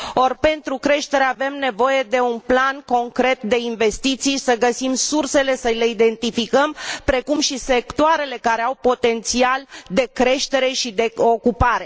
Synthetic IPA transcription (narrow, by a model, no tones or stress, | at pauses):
o̞rpe̞nt̪ɾukɾe̞ʃt̪e̞ɾeave̞mne̞vo̞je̞d̪e̞unplanko̞ŋkɾe̞t̪̚d̪e̞inve̞st̪it̪sijsəɡəsimsurse̞le̞səle̞id̪e̞nt̪ifikəmpɾe̞kumʃise̞kt̪oaɾe̞le̞kaɾeawpo̞t̪e̞nt̪siald̪e̞kɾe̞ʃt̪e̞ɾe̞ʃid̪e̞o̞kupaɾe̞